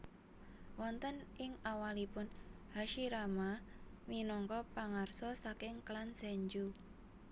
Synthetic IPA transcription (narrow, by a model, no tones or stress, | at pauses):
wɔnt̪ənɪŋawalipʊnhaʃiɾamaminɔŋkɔpaŋarsɔsakɪŋklansɛɲd͡ʒu